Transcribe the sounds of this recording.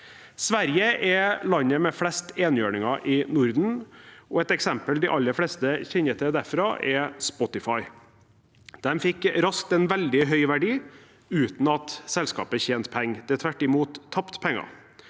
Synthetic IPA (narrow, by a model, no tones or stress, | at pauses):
sʋæɾjəʔɛlɑɲːəmɛflɛst̪eːnjøːɳɪŋɑʔɪnʊɾd̪n̩ɔɛt̪ɛksɛmpəld̪ɪʔɑlːəfɽɛst̪əçɛɲət̪ʰɛd̪æɾfɾɑːʔɛspɔt̪ɪfɑɪ | d̪̥ɛmfɪkɾɑsk̚t̪ɛnʋɛld̪ɪɦœʏʋæɖiː | ʉːt̪n̩ɑt̪sɛlskɑ̰ːpəçeːnt̪pʰɛŋːd̪ɛt̪ʰʋæʈːɪmuːt̪ʰːɑpt̪pʰɛŋːɑ̰